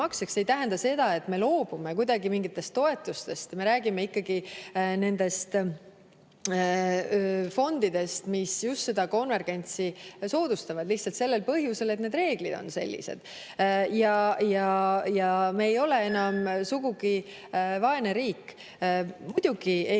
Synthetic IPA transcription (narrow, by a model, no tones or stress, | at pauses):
ɑksekse̞jt̪æɦend̪ɑse̞d̪̥ɑe̞t̪ːˑme̞lo̞ːb̥ume̞kujd̪ɑɡimiŋɡit̪ːˑe̞st̪ːo̞e̞t̪ːˑust̪e̞st̪me̞ɾæːɡime̞ikːɑɡ̥ine̞nd̪e̞st̪ | fo̞nd̪̥id̪e̞st̪misjust̪se̞d̪̥ɑko̞nve̞rɡ̥e̞nʲt̪siso̞ːd̪̥ust̪ɑvɑd̪̥liht̪sɑlt̪selːe̞lpɤɦjuse̞le̞t̪ned̪re̞ːɡ̥lid̪̥o̞̰nse̞̰lʲːḭse̞̰d̪̥ | jɑjɑjɑmeːjo̞le̞e̞nɑmsuɡ̥uɡ̥i | vɑe̞neɾiːkː | mud̪̥uɡ̥i